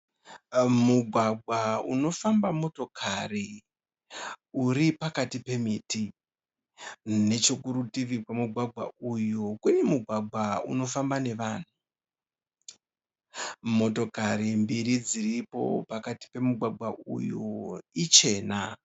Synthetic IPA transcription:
muɡʱwaɡʱwaṵno̞fambamo̞to̞kʰari | uɾipakatipe̞miːti | ne̞t͡ʃokuɾutiʋikwamuɡʱwaɡʱwa̰ujokunemuɡʱwaɡʱwaṵno̞fambane̞ʋaːn̤u | mo̞to̞kaɾimbiɾid͡ziripo̞̰pakati̥pe̞muɡʱwaɡʱwaʔṵjoit͡ʃe̞ːna

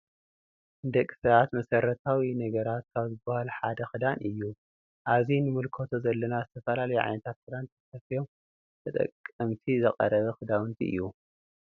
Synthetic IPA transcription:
ʔɨnd̪ɐkʼːi̥sɐβat̪mɐsɐɾɐt̪ʰawinɐɡɐɾat̪̚kʰaβzɨbːahaluħad̪ɐxɨd̪anʔɨjːu | ʔaβzinɨmɨlkʰo̞t̪ʰo̞zɐlːɐnazɨt̪ʰɐfɐlalɐjuʕa̰jnɐt̪ʰat̪̚kɨd̪ant̪ʰɐfɐfijo̞m | t̪ʰɐt̪ʼɐ̰kʼːɐmt̪ʰizɨqʼɐ̰ɾɐβɐxɨd̪awɨnt̪ʰiʔɨ̰jːu

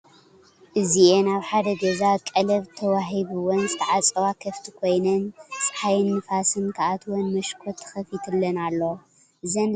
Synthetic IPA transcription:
ʔɨziʔenaβħad̪ɐɡɐzakʼɐlɐβt̪ʰɐwaɦiβɨwɔnzɨt̪ʰɐʕat͡sʼɐwakʰɐft̪ʰi̥kʰo̞jnɐnsʼħajɨnːɨfasɨnkʰaʔat̪ʰwɔnmɐʃkʰot̪ʰːɨ̥xɐfit̪ʰɨlːɐnalːo | ʔɨzɐn

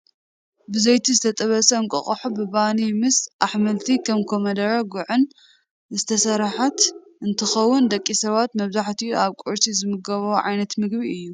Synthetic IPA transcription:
bɨzɐjt̪ʰizɨt̪ʰɐt̪ʼɐβɐsɐɨŋkʼɐ̰χʼɐħubɨbanimɨsʔaħmɐlt̪ʰikʰɐmkʰomɐd̪ɐɾɐɡuʕɨn | zɨt̪ʰɐsɐɾħat̪ | ʔɨnt̪ʰɨxɐwːʊnd̪ɐkʼːisɐβat̪mɐβzaħt̪ʰiaβkʼuɾsizɨmɨɡɐβɐʕajnɐt̪mɨɡbiɨjːu

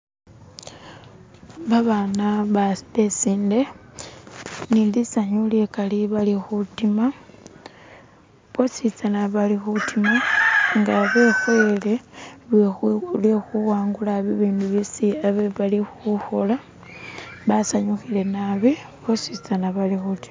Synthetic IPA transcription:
βaβanaβe̞siːnde̞ | nindisaɲuljekaliβalixutima | βosit͡sanaβalixutimaŋɡaβe̞xwe̞le | lwexuwaːŋɡulaβiβiːnduβisiaβe̞βalixuxola | βasaɲuxile̞naβi | βosit͡sanaβalixuti̥ma

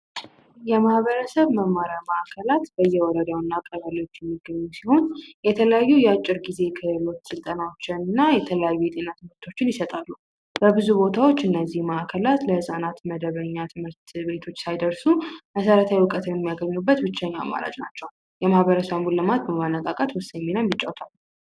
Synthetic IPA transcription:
jɛmahβəɾəsəβməmːaɾaməʔakʰəlat̪b̥əjːɛwɔɾəd̪awnːakʼːəβəlio̞t͡ʃːjɛmːiɡːəɲːusiho̞njɛt̪ʰələjajːujɛat͡ʃʼːɪɾɡize̞kʰəlo̞t̪sɨlt̪ʼənawot͡ʃːɪnɨnːajɛt̪ʰələjajːujɛt̪ʼe̞nat̪ʰɨmɨɾt̪ʰo̞t͡ʃːɪnjɪsət̪ʼalːu | bəbɨzubo̞t̪ʰawo̞t͡ʃːɨnːəzːihməʔakʰəlat̪ləhɨsʼanat̪məd̪əβəɲːat̪ʰɨmɨɾt̪be̞t̪ʰo̞t͡ʃːsajd̪əɾsuməsəɾət̪ʰawjwʊkʼət̪ʰɨnjɛmijaɡəɲːubːət̪bɨt͡ʃːaɲːaa̰ma̰ɾa̰d͡ʒnat͡ʃːɛw | jɛmahβəɾəsambulːɨmat̪̚bəmanːəkʼakʼət̪wʊsəjminamjɨt͡ʃʼːawt̪ʰalːu

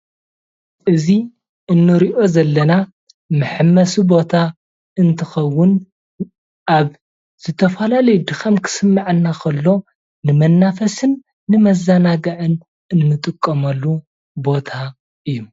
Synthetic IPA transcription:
ʔɨzi | ʔɨnːɨɾiʔo̞zɐlːɐna | mɨħɨmːɐsubo̞t̪ʰa | ɨnt̪ʰɨxɐwːʊn | ʔaβ | z̥ɨt̪ʰɐfɐlalɐjud̪ɨxɐmkʰɨ̥sɨmːaʕɨnːakʰɐlːo̞ | nɨmɐnːafɐsɨnː | ɨmɐzanaɡɐʕɨn | ɨnːɨt̪ʼɨkʼːɐmɐlːu | bo̞t̪ʰa | ʔɨjːum

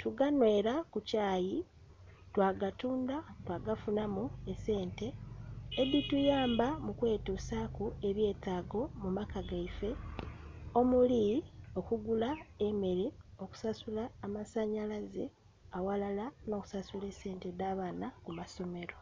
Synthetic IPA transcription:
tuɡanwe̞ːɾakucaːji | twaːɡatuːndatwaɡafunamuese̞ːnte̞ː | ditujaːmbamukwe̞ːtusakue̞βje̞ːtaːɡo̞mumakaɡaife̞ | o̞mulio̞kuɡulae̞me̞ɾeo̞ku̥sasulaːmasaɲalazḛ | awalalano̞ːku̥sasule̞se̞ːntedaːβaːnakumaso̞me̞ɾo̞

